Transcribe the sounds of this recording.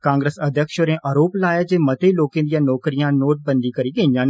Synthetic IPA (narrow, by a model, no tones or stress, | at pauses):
kãːŋɡɾeːsɐd̪ʱjəkʃoɾẽʔaɾoːplaːjad͡ʒeːmɐt̪eloːkẽd̪ijãnɔːkɾijãnoːʈ̚bɐ̃nd̪ikɐɾiɡɐ̃ĩjãːn